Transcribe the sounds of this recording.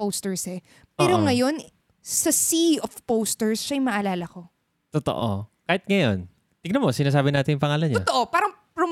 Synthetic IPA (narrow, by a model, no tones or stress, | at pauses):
owst̪ɛɹsɛ | pɛːɾoŋɐjo̞n | sɐsiofpowst̪ɛɹsʃɐjmɐʔɐlaːlɐko̞ | t̪ot̪o̰ʔo̰kaːhɪt̪̚ŋɐjo̞n | t̪ɪɡnɐmosɪnaːs̬aːbɪnaːt̪ɪnjʊŋpɐŋaːlɐnɲat̪oʔopaːɾɐŋpɾom